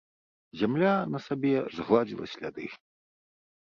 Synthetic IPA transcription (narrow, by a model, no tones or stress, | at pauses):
zʲamlʲanɐsabʲɛzɣlˠad͡zʲilˠɐ̰sʲlʲa̰d̪ɨ